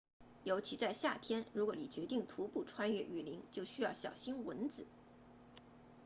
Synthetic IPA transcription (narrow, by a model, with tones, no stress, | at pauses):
ljo˧˥ʊt͡ɕʰi˧˥t͡sa˥˧ɪɕja̰˥˩t̪ʰjɛ˥nɻu˧˥kwɔ˧˥˦ni˨˩t͡ɕɥɛ˧˥t̪i˥˩ŋt̪ʰu˧˥pu˥˩ʈ͡ʂʰwa˥nɥɛ˥˩ʔy˨˩li˧˥ŋt͡ɕjo˥˩ʊɕy˥jɑ˥˩ʊɕjɑ˨˩ʊɕi˥nwə˧˥nt͡sɹ̩˨˩˦